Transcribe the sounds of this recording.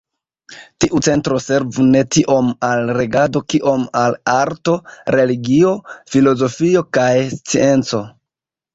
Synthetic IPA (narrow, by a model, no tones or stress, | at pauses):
tiʔut͡se̞ntɾo̞se̞ɾvune̞tiʔo̞malɾe̞ɡado̞kiʔo̞malaɾto̞ɾe̞liɡio̞filo̞zo̞fio̞kajst͡sie̞nt͡so̞